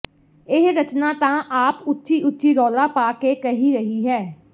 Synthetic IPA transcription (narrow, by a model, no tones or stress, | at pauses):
ɪɦɾət͡ʃnaːt̪ãːʔaːpʊtːʃiːʔʊtːʃiːɾɔːlaːpaːkeːkəɦiːɾəɦiːɦɛː